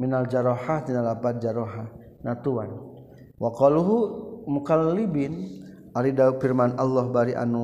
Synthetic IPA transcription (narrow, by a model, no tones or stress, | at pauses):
minald͡ʒaɾɔħahd̪inalapat̪̚d͡ʒaɾɔɦah | nat̪uwan | waqɔluɦumukalːibin | ʔaɾidaufirmanalːɔhbaɾiʔa̰nu